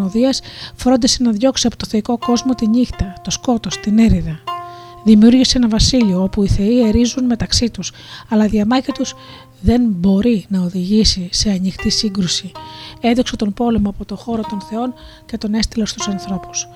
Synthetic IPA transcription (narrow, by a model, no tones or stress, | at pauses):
oðiɐsfɾo̞nd̪isenɐðʝo̞ksiɐpo̞t̪oθe̞iko̞ko̞zmo̞t̪iɲixt̪ɐt̪o̞sko̞t̪o̞st̪ine̞ɾiðɐ | ðimiuɾʝiseenɐvɐsilio̞opuiθe̞ie̞ɾizunme̞t̪ɐksit̪us | ɐlɐðiɐmɐcit̪us | ðe̞nbo̞ɾinɐo̞ðiʝisise̞ɐnixt̪isiŋɡɾusie̞nd̪o̞kse̞t̪o̞npo̞le̞moɐpo̞t̪o̞xo̞ɾo̞t̪o̞nθe̞o̞n | ce̞t̪o̞ne̞st̪ilo̞st̪usɐnθɾo̞pu̥s